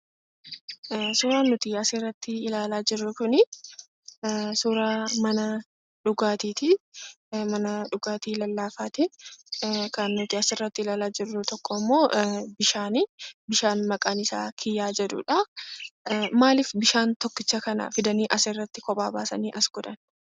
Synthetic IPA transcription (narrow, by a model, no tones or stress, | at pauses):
suːɾaːnːʊt̪ɪɐserːɐt̪ːɪɪlaːlaːd͡ʒɪrːʊkʊnɪ | suːɾaːmɐnɐ | ᶑʊɡaːt̪iːt̪ɪ | mɐnɐᶑʊɡaːt̪iːlɐlːaːfaːt̪ɪ | kɐnːʊt̪ɪɐsɪrːɐt̪ːɪɪlaːlaːd͡ʒɪrːʊt̪ɔkːɔmːo̞ːbɪʃaːnɪbɪʃaːnmɐkʼaːnɪsa̰ːkʰɪjːaːd͡ʒɛᶑ̪ʊ̰ːᶑɐ | maːlɪfbɪʃaːnt̪ɔkːɪt͡ʃːɐkɐnɐ̰fɪd̪ɐniːʔɐsɪrːɐt̪ːɪkɔpʼaːba̰ːsɐniːʔɐsɡʊd̪ɐn